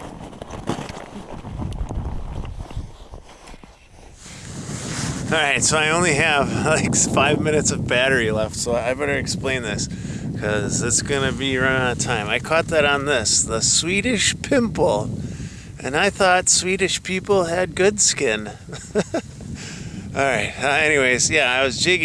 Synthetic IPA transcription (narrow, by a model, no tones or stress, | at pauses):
ɹaɪtsoʊaɪõʊ̃nliɨv̥laɪksfaɪvmɪ̃nɨtsʌvbæɾə˞ilɛftsoʊaɪbɛɾə˞ɨksplẽɪ̃nðɪs | kʰʌzɨtsɡ̥ʌnɨbiɹʌ̃naətʰãɪ̃maɪkʰɔt̪̚ðɨɾn̩ðɪsðəswiɾɨʃpʰɪ̃mpl̩ˠ | ʔɨ̃naɪθɔtswiɾɨʃpʰipl̩ˠɨd̚ɡʊdskɪ̃n | ʔɔlˠɹaɪt̚ʌɛniweɪzjæaɪwʌzd͡ʒɪɡ